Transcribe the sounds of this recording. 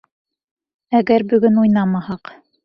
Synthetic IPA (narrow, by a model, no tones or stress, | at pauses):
æɡæɾbɵ̆ɡɵnujnɑmɑhɑq